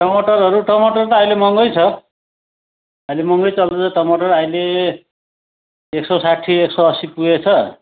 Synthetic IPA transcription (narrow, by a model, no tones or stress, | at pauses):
ʈʌmoʈʌrɦʌɾuʈʌmoʈʌrt̪ʌajlemʌŋɡʌjt͡sʰʌ | ʌjlemʌŋɡʌjt͡sʌld̪ʌʌʈʌmoʈʌrajle | ksʌsaʈʰieksʌʌsipuet͡sʰʌ